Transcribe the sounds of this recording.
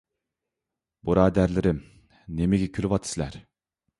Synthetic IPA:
boɾɑːd̪æɾlɪɾɪm | nemeɡʲekʲʰylʲypɑt̪ʰɯ̥silæɾ

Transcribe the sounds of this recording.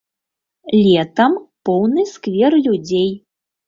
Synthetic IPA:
lʲɛt̪ɐmpɔwnɨskvʲɛrlʲud͡zʲej

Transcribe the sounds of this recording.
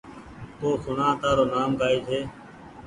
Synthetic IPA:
t̪oːxʊnãːt̪aːɾoːnaːmkaːiːd͡ʒʱeː

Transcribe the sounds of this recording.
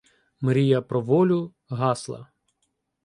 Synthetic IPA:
mɾʲijɐpɾɔʋɔlʲʊ | ɦɑslˠɐ̰

